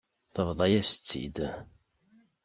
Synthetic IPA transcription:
θəvðˤɑjæsə̥t͡sːḭd̪

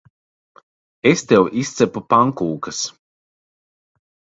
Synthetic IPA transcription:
est̪ewʔist̪sɛpupaŋkuːkɐs

